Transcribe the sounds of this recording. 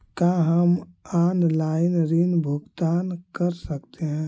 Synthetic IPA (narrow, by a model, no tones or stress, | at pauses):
kaːɦəmaːnlaːɪnɾinbʱʊɡt̪aːnkəɾsəkt̪eɦɛ̃ː